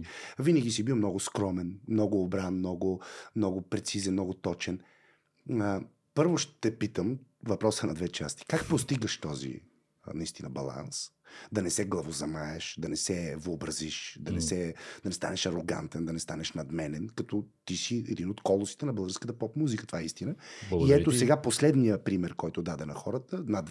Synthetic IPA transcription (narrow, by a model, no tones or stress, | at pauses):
vinəɡʲisibiwˠmnɔɡʊskɾɔmɛnmnɔɡʊːbɾanmnɔɡʊmnɔɡʊpɾɛt̪sizɛnnɔɡʊt̪ɔt͡ʃɛn | pɤɾvoʃt̪ɛpit̪əm | vɐpɾɔsənɐd̪vɛt͡ʃa̰st̪i̥kak̚post̪iɡəʃt̪ɔzḭ | nɐist̪inɐbɐ̰lˠa̰ns | d̪ɐnɛsɛɡlˠɐvozɐmaɛʃd̪ɐnɛsɛvəobɾɐziʃd̪ɐnɛsɛd̪ɐnɛst̪a̰nɛʃɐɾoɡa̰nt̪ɛnd̪ɐnɛst̪anɛʃnɐd̪mɛnɛnkɐt̪ɔt̪isiɛd̪inot̪kɔlˠosi̥t̪ɛnɐbəlˠɡəɾskət̪əpɔpmuzikət̪ovaɛist̪inəiɛt̪osɛɡaposlɛd̪nijəpɾimɛɾkɔjt̪od̪ad̪ɛnɐxɔɾət̪ənɐd̪